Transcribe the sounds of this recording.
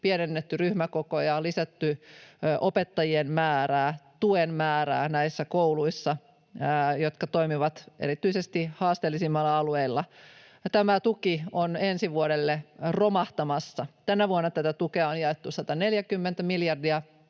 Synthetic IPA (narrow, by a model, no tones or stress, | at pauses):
pienenːet̪ːyryhmækokojɑlisæt̪ːyʔopet̪ːɑjienmæːræːt̪uenmæːɾæ̰ːnæisːækouluisːɑ | jot̪kɑt̪oimiʋɑt̪ʔḛɾit̪yisest̪ihɑːst̪elːisimːɑlːɑɑlueilːɑ | t̪æmæt̪ukionensiʋuoɾelːeromɑht̪ɑmɑsːɑt̪ænæʋuonːɑt̪æt̪æt̪ukeɑonjɑet̪ːusɑt̪ɑneljækymːent̪æmiljɑrdiɑ